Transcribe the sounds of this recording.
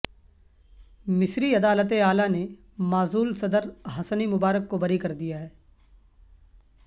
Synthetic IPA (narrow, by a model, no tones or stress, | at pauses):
mɪsɾiɐd̪aːlət̪eaːlane | maːzuːlsɐd̪əɾɦɐsənimʊbaːɾəkːobɐɾikɐɾd̪ijaɦɛː